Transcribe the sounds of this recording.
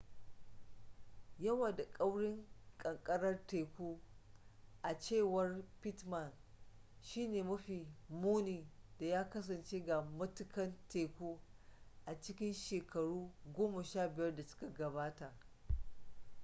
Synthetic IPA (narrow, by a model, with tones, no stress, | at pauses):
jɐ˦wa˨da˨kʼɐ˦wɽɪ˦ŋkʼɐ˨ŋkʼɐ˦ɽɐ˦rteː˨kʷuː˦ | ʔa˨t͡ʃeː˦˨wɐ˦rpɪ˦tmɐ˨n | ʃiː˦neː˨mɐ˦ɸiː˨muː˦niː˨d̥a˨jaː˦kɐ˦s̬ɐ˨nt͡ʃeː˦ɡa˨mɐ˦tʊ˨kɐ˦nteː˨kʷuː˦ʔa˨t͡ʃɪ˦kʲɪ˦nʃeː˨kɐ˨ɽuː˦ɡʷoː˦mɐ˨ʃaː˦˨bɪ˨jɐ˦rda˨sʊ̥˦ka˨ɡɐ˨baː˦ta˨ʔ